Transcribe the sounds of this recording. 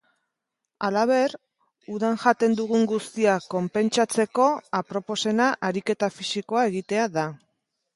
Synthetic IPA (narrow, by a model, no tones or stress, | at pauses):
alaβ̞e̞ɾ | uðanʝat̪e̞nd̪uɣ̞uŋɡust̪iako̞mpe̞nt͡ʃat͡se̞ko̞apɾo̞po̞se̞naʔaɾike̞t̪afisiko̞ae̞ɣ̞it̪e̞aða